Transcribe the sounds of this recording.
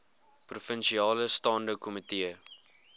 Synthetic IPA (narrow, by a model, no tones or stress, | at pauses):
prufənʃiɑːləstɑːndəwkɔmitiə